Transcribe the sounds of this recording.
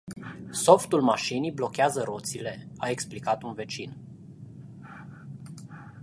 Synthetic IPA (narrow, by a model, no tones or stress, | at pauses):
so̞ft̪ulmaʃinijblo̞kʲeazəɾo̞t̪sile̞aeksplikat̪unve̞t͡ʃin